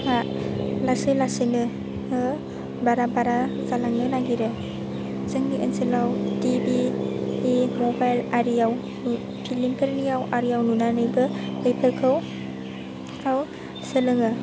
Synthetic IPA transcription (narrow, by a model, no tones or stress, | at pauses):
alasɯlasenɯ | ɯ | baɾabaɾazalaŋnɯlaɡiɾɯ | zɯŋniʔɯ̰nsɯlawtibi | emɔbajlaɾijaw | pʰilimkʰeɾnijawʔaɾijawnunanɯjbɯɯjpʰɯɾkʰɯw | aw | sɯlɯŋɯ